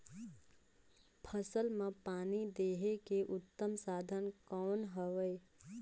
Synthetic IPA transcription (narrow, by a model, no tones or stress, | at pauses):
pʰəsəlmãpaːnid̪eːɦekeʔʊt̪ːəmsaːd̪ʱənkɔːnɦəʋəj